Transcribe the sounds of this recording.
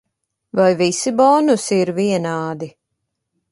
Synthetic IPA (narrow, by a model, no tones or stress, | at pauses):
vajvisibɔnusiɾviɛnaːd̪i